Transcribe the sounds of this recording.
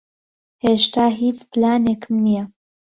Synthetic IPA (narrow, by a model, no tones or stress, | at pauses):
heːʃt̪aːɦiːt͡splaːneːkʰɨmnijɛ